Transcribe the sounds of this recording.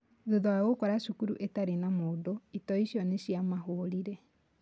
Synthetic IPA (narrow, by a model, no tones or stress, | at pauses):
ðoðɔaɣokɔɾaʃukuɾuʔetaɾenamoːdoitɔiʃijɔneɕiamaɦoɾiɾɛ